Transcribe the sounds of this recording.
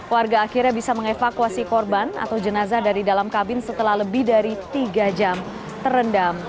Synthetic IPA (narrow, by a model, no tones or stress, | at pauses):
kwarɡaːkirɲabisaməŋefakuasikɔrbana̰t̪awd͡ʒənazadaɾidalamkabɪnsət̪əlahləbɪhdaɾit̪iɡad͡ʒam | t̪ərəndam